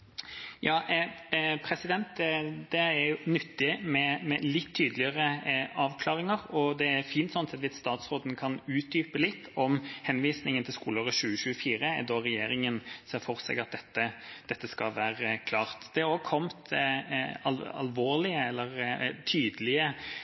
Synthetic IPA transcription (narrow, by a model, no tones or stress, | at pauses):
jɑːʔpʰɾɛsɪd̪ɛnt̪ɛd̪̥ɛæɾjʊnʏt̪ːɪmɛmɛlɪt̪ʰːyːd̪əlɪəɾəʔɑːʋkʰlɑːʁɪŋəɾɔd̪ɛæɾfiːnt̪sɔnsɛt̪ʋɪsst̪ɑːt̪sɾoːd̪nkʰɑnʉːt̪̚d̪yːpəlɪt̪ːɔmhɛnʋiːsnɪŋənt̪ʰɪlskuːloːʁəɕʉːəɕʉːəfiːɾəɛd̪ɔɾɛjeːɾɪŋənseːɾfɔɾsɛ̰ɡɑt̪̚d̪ɛt̪ːəd̪̥ɛt̪ːəskɑʋæːɾəkʰlɑːɾt̪d̪̥ɛæɾoːɡkʰɔmt̪ | ɑ̰lɑ̰lʋoːɾlɪəɛlːəɾt̪ʰyːd̪əlɪə